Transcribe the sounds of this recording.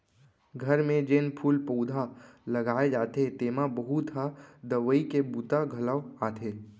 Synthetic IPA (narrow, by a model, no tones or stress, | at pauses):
ɡʱəɾmẽd͡ʒɪnpʰuːlpoːd̪ʱalɐɡaːed͡ʒaːt̪et̪eːmabəɦut̪ɦad̪əʋəikebuːt̪aɡʱələʋaːt̪ʰeː